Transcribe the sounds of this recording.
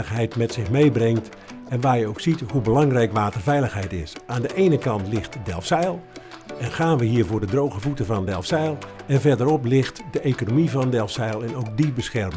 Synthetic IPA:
əxɦɛjtmɛtsɪxmejbrɪŋt | ɛnʋaːrjəowksithubəlɑŋrɛjkʋaːtərvɛjləxɦɛjtɪsaːndəʔeːnəkɑntlɪxtdɛ̰lˠfsɛjlˠ | ɛnxaːnʋəɦiːɹvʊːdədrowɣəvutəvɑnəndɛlˠfsɛjlˠɛnvɛrdəɾɔplɪxtdəʔekonomivɔnəndɛlˠfsɛjlˠɛnowk̚dibəsxɛrmə

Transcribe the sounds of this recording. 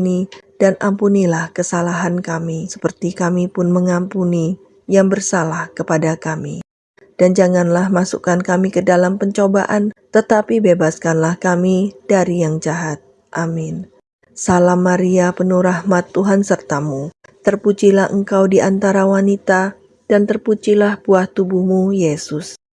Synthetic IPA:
nid̥anʔampunilahkəsalaɦankamisə̥pərt̪ikamipʊnməŋampuni | jaŋbərsalahkəpadakamḭ | d̥and͡ʒaŋanlahmasṵkankamikədalampəɲt͡ʃoba̰ʔant̪ət̪apibebaskanlahkamid̥aɾijaŋd͡ʒaɦat̪̚ | ʔamɪn | salamːaɾiapənuɾahmat̪ːuɦansərt̪amu | t̪ərput͡ʃilahʔəŋkawdiʔant̪aɾawanit̪a | d̥ant̪ərput͡ʃilahbuaht̪ubuhmujesʊs

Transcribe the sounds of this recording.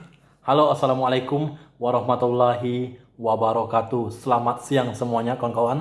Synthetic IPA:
haloasalamualajkʊmwaɾɔhmat̪ulːaɦi | wabaɾɔkat̪usəlamat̪̚siaŋsəmuaɲakaŋkawan

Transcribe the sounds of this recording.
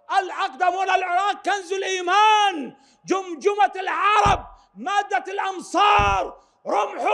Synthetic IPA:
ʔalʕɑqd̪amuːnalʕɪɾˤɑːq̚kanzʊlʔiːmaːn | d͡ʒʊmd͡ʒʊmalʕɑɾˤɑb̚ | maːd̪ːalʔɑnsˤɑːɾˤ | ɾˤʊmħ

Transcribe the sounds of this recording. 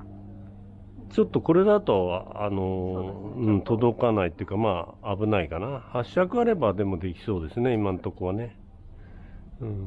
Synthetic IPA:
t͡ɕo̞t̪ːo̞ko̞ɾe̞d̪at̪o̞ano̞ | ɯ̟̃ɴt̪o̞d̪o̞kanait̪ːeiɯ̟kamaːbɯ̟naikanahaɕakɯ̟aɾe̞bad̪e̞mo̞d̪e̞kʲi̥so̞ːd̪e̞sɨne̞imãnt̪o̞koβane̞ | ɯ̟̃ɴ

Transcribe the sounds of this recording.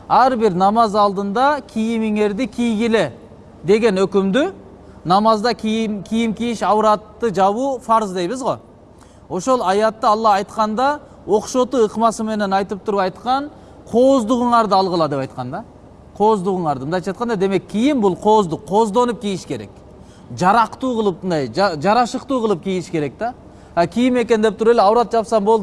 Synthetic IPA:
æɾbɪɾnɑmɑzɑlˠd̪ənd̪ɑkʲʰijɪmɪŋe̞ɾd̪ɪkʲʰijɡʲɪlɪ | d̪e̞ɡʲe̞nɵkʲɪmd̪ɪ | nɑmɑzd̪ɑkʲʰkʲʰijɪmkʲijɪʃɑwɾɑt̪ːəʒɑβufɑɾzd̪e̞jβɪzʁo̞̰ | o̞ʃo̞lˠɑjɑt̪ːəɑlˠːɑɑjt̪qɑnd̪ɑ | wo̞qʃo̞t̪əəqmɑsəme̞ne̞nɑjt̪əp̚t̪ʰʊɾəpɑjt̪qɑɴ | qʰo̞zd̪ʊʁəɴɑɾd̪əɑlˠʁəlˠɑd̪e̞pɑjt̪̚qɑnd̪ɑ | qʰo̞zd̪uʁəɴɑɾd̪əmnd̪ɑj̪ʰɑt̪qɑnd̪ɑd̪e̞me̞kʲʰːijɪmbʊlˠqʰo̞zd̪əqʰo̞zd̪o̞nəp̚kʲʰijɪʃkʲe̞ɾe̞̰k | ʒɑɾɑqt̪uqʰəlˠəp̚nd̪ɑjɑʒɑɾɑʃəqt̪uqʰəlˠəp̚kʲʰijɪʃkʲʰe̞ɾe̞k̚t̪ɑ | ækʲʰijɪme̞kʲend̪ep̚t̪ʰʊɾeleɑwɾɑt̪̚ʒɑpsɑmbo̞lˠd̪

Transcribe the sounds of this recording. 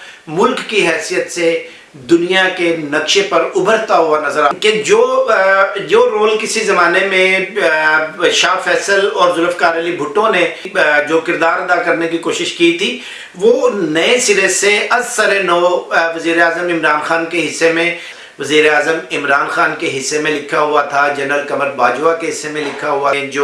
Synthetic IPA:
mʊlkːiɦɛːsijət̪se | d̪ʊnijakenɐkʃepɐɾʊbəɾt̪aɦʊanɐzəɾaːked͡ʒoː | d͡ʒoːɾoːlkɪsizɐmaːnemẽ | ʃaːfɛːsəlɔːɾzʊləfkaːɾjəlibʱʊʈːõned͡ʒoːkɪɾd̪aːɾɐd̪akɐɾnekikoːʃɪʃkit̪ʰiː | ʋoːnɐẽsɪɾeseɐzsəɾenoːʋɐziːɾeaːzəmɪmɾaːnxaːnkeɦɪsːemẽ | ʋɐziːɾeaːzəmɪmɾaːnxaːnkeɦɪsːemẽlɪkʰaɦʊat̪ʰad͡ʒɐnɾəlkɐməɾbaːd͡ʒʊakeɦɪsːemẽlɪkʰaɦʊad͡ʒoː

